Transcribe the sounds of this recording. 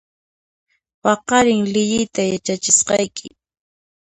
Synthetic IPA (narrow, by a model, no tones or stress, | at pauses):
pɑqɑɾɪŋlɪʎɪjt̪ajat͡ʃat͡ʃɪsqɑjkʰɪ